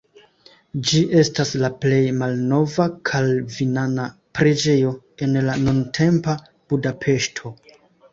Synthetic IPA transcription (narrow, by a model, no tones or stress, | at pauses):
d͡ʒiʔe̞staslaple̞jmalno̞vakʰalvinanapɾe̞d͡ʒe̞jo̞ | e̞nlanuntʰe̞mpa | b̥udapʰe̞ʃtʰo